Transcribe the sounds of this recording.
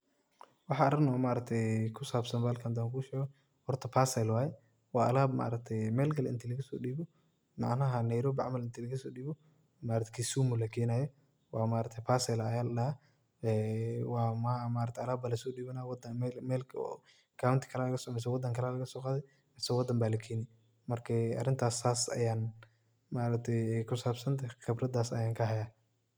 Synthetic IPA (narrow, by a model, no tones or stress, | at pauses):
wɑħɑɐɾɪnɔmaːɾɐɡ̚t̪ʰɛjkʰʊsaːbsɐnbaːlkʰɐnd̪aːŋkʰuʊʃɛːɣɔ | hɔrt̪ʰɐpʰaːsɛlwaːjɛ | wɑːɐlaːbma̰ːɾɐk̚t̪ʰɛjmɛːlɡɐlɪ̰nt̪ʰilɐɣɐsɔ̰ːɗiːbɔ | mɑ̰ʕnɐɦɐnɐjɾɔːbiʕamɐlɪnt̪ʰilɐɣɐsɔːɗiːbɔ | maːɾɐt̪ʰɛ̥kʰisuːmʊlɐkʰɛːnaːjɔ | wɑːmaːɾɐt̪ʰɛpaːsɛlɐjaːlɗɐha | ɛwaːmamaːɾɐkt̪ʰɛɐlaːbalɐsɔːɗiːβɐnaːwd̪ɐmɛlmɛːl̰ʰː | kʰaːwʊnt̪ʰi̥kʰɐlalɐɣɐsɔʕmɛs̬ɔwɑd̪ɐŋkʰɐlaːlɐɣɐsɔːqaːðɛj | masɔwɐd̪ɐmbaːlɐkʰɛːnɪ | mɐrkʰɐɐ̰rɪnt̪ʰaːsaːsɐ̰jaːn | maːɾɐk̚t̪ʰɛjɛjkʰʊsaːbsɐnt̪ʰaxɪbɾɐd̪aːsɐ̰jaːŋkʰɐɦɐjaː